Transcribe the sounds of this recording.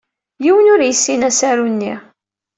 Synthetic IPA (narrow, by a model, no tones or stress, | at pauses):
jiwənʊɾjisːinæsæɾunːi